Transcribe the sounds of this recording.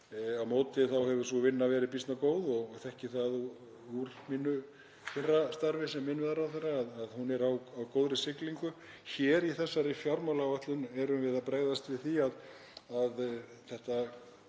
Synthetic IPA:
awmoːt̪ɪθawhɛvʏɾ̥sɔvɪnːavɛːɾɪðp̬ist̪nakoːwðɔɣθɛhcɪθaðu | uɾminːʏ | kʰɪrːast̪aɾvɪsɛmːɪnːʏðaɾawθɛrːaːðaðhunɛɾawawkoːwðɾɪsɪkliŋkʏ | çɛːɾiθɛsːaɾɪfjaɾmawlavɛht̪lʏnɛɾʏmvɪðapɾeːɣðast̪vɪðθiað | aðθɛht̪a

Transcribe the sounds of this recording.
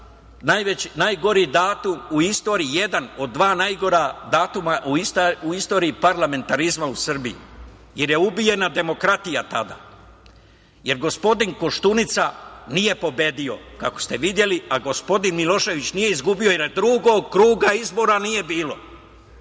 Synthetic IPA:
najʋenajɡo̞ɾid̪aːt̪umuist̪o̞ːɾiije̞d̪ano̞d̪ːʋaːnajɡo̞ɾad̪aːt̪umaʔuist̪uist̪o̞ːɾiipaɾlˠame̞nt̪aɾizmausr̩bijḭ | je̞ɾje̞ubije̞nad̪e̞mo̞kɾat̪ijat̪ad̪a̰ | je̞ɾɡo̞spo̞d̪iŋko̞ʃt̪unit̪sanije̞po̞be̞d̪io̞kako̥st̪e̞ʋid̪je̞liaɡo̞spo̞d̪inmilˠo̞ʃe̞ʋit͡ɕnije̞izɡubio̞jeɾd̪ɾuɡoɡkɾuːɡaizbo̞ɾanije̞biːlo̞

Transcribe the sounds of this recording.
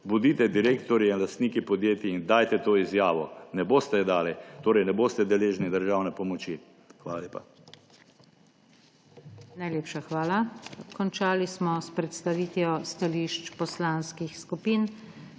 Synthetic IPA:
bud̪iːt̪ɛd̪iɾeːkt̪ɔɾjiinlast̪niːkipɔd̪jeːt̪iind̪aːjt̪ɛt̪oːizjaːʋɔnɛboːst̪ɛd̪aːlit̪oːɾɛjnɛboːst̪ɛd̪ɛleːʒnid̪əɾʒaːwnɛpɔmɔt͡ʃi | xʋaːlaleːpa̰ | najleːpʃaxʋaːlakɔnt͡ʃaːlismɔspɾɛt̪st̪aʋiːt̪jɔst̪aliʃt͡ʃpɔslaːnskixskupiːn

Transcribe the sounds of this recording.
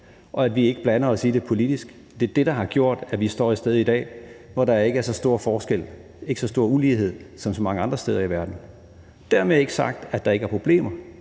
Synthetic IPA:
ʔɒ̽æd̥ʋie̝ɡ̥əb̥lænɐɒsiːd̥e̝pʰo̝lid̥isɡ̥ | d̥e̝ɐd̥e̝ɾ̥ɑ̈ɦɑ̈ɡ̥jo̝ɐ̰d̥æʋisd̥ɒ̰ːisd̥eð̞̩ˠid̥ɛ̰ːʋɒɾ̥ɑ̈æɐe̝ɡ̥əæɐsɒ̽sd̥o̝ːɐ̰fɒːsɡ̥el̰ | e̝ɡəsɒ̽sd̥o̝ːɐ̰uliːɦe̝ð̞̰ˠsɒ̽msɒ̽mɑ̈ŋəɑ̈nd̥ʁɐsd̥eːð̞ˠɐiʋæɐd̥n̩ | d̥æɐmee̝ɡ̥əsɑ̈ɡ̥̚d̥æd̥ɑ̈e̝ɡ̥əæɐpʰʁo̝b̥le̝̰ːmɐ

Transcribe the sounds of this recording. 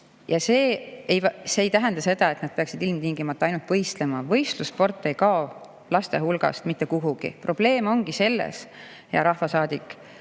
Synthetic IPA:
jɑse̞ːejvse̞ːjt̪æɦænd̪ɑse̞d̪ɑe̞t̪ːˑnɑd̪̥̚pe̞ɑksid̪ilmt̪iŋɡimɑt̪ːˑɑɑjnult̪pɤjst̪le̞mɑvɤ̞jst̪luspo̞rt̪ːˑe̞jkɑo | lɑst̪e̞ɦulɡ̥ɑ̰st̪mit̪ːˑe̞kuɦuɡ̥ḭpro̞b̥le̞ːmo̞ŋɡ̥ise̞lːḛs | jɑ̰ɾɑhvɑsɑːd̪̥ikːˑ

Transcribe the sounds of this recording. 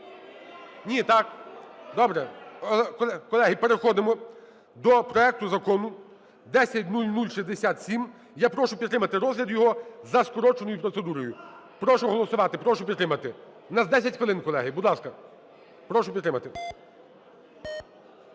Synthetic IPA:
nʲit̪ɑkd̪ɔbɾɛkɛkɔlˠɛɦipeɾexɔd̪ɪmɔ | d̪ɔpɾɔɛk̚t̪ʊzɐkɔnʊ | d̪ɛsʲɐtʲnulʲnulʲʃizʲd̪esʲat̪sʲim | japɾɔʃʊpʲit̪ːɾɪmɐt̪ɪɾɔzɦlʲɐd̪jɔɦɔzɐskɔɾɔt͡ʃenɔjʊpɾɔt̪sed̪uɾɔjʊ | pɾɔʃʊɦɔlˠɔsʊʋɑt̪ɪpɾɔʃʊpʲid̪ɾɪmɐt̪ɪ | nɐzd̪ɛsʲɐtʲxʋelˠɪnkɔlˠɛɦɪbud̪lˠɑskɐ | pɾɔʃʊpʲd̪ɾɪmɐt̪ɪ

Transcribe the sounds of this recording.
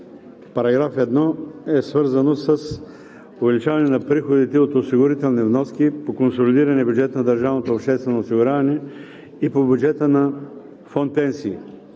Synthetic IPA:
pɐɾɐɡɾafɛd̪nɔɛsvəɾzɐnosəs | ovɛlit͡ʃavɐnɛnɐpɾixod̪it̪ɛot̪osiɡʊɾit̪ɛlˠnivnɔskipokonsolid̪iɾɐnɛbʲjud͡ʒɛt̪ənɐd̪ɐɾʒavnot̪oːpʃt̪ɛst̪vɛnoːsiɡʊɾʲavɐnɛ | ipobʲjud͡ʒɛt̪ənɐ | fɔn̚pɛnsḭː

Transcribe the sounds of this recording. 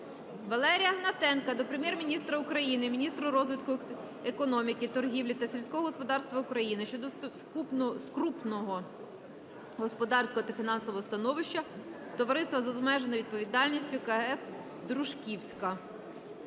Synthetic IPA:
ʋɐlˠɛɾʲijɐɦnɐt̪ɛnkɐd̪ɔpɾemjɛrmʲinʲist̪ɾɐʊkɾɐjinɪmʲinʲist̪ɾʊɾɔzʋʲɪt̪kʊ | ekɔnɔmʲikɪt̪ɔrɦʲiwlʲit̪ɐsʲilʲsʲkɔɦɔɦɔspɔd̪ɑrst̪ʋɐʊkɾɐjinɪʃt͡ʃɔd̪ɔ | kup̪skɾupnɔɦɔ | ɦɔspɔd̪ɑrsʲkɔɦɔt̪ɐfʲinɑnsɔʋɔɦɔst̪ɐnɔʋɪʃt͡ʃɐ | t̪ɔʋɐɾɪst̪ʋɐzɔzmɛʒenɔʋʲid̪̚pɔʋʲid̪ɑlʲnʲisʲtʲʊkɐɛf | d̪ɾuʒkʲiwsʲkɐ

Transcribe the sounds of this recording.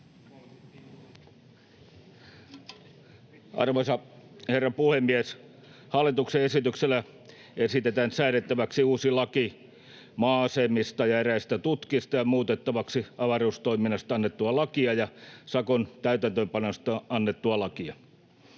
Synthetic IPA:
ʔɑ̰rʋosɑherːɑpuhemːies | hɑlːˑit̪ukseesit̪ykselːæ | esit̪et̪ænsæynet̪ːæʋæksiuːsilɑki | mɑːsemist̪ɑjɑeɾæist̪æt̪ut̪kist̪ɑjɑmuːt̪et̪ːɑʋɑksiɑʋɑruːst̪oiminːɑst̪ɑɑnːet̪ːuɑlɑkiɑjɑsɑkont̪æyt̪ænt̪øːmpɑnost̪ɑɑnːet̪ːuɑlɑkiɑ

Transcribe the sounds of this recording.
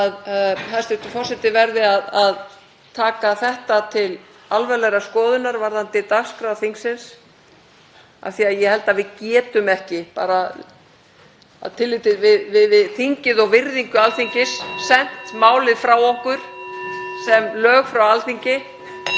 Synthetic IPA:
aðhast̪ɪht̪ʏfɔr̥sɛt̪ɪvɛɾðɪaðað | t̪ʰaːkaθɛht̪at̪ʰɪl | alvɛlɛɣɾaskɔːðʏnaɾvaɾðant̪ɪt̪askɾaðθiŋksɪns | a̰θiaðjɛhɛlt̪avɪðcɛːt̪ʏmɛhcɪpa̰ːɾa | a̰ðt̪ʰɪlːɪt̪ɪvɪðvɪðvɪðθiɲcɪðɔɣvɪɾðiŋkʏalθiɲcɪsːɛn̥t̪maːwlɪðfɾaːwɔhkʏɾ̥ | sɛmlœːɣfɾawalθiɲcɪ

